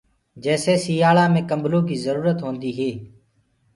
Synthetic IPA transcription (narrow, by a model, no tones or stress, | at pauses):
d͡ʒɛːseːsiːjaːɭãːmẽːkəmbʱlõːkiːzəɾuːɾət̪ɦõːnd̪iːɦeː